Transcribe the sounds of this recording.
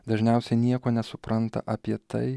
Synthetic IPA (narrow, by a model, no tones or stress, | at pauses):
d̪ɐʒʲnʲɛˑʊsʲɛɪnʲiɛkoːnʲɛsʊpɾɐnt̪ɐ̰ʔɐpʲiɛt̪ɐɪ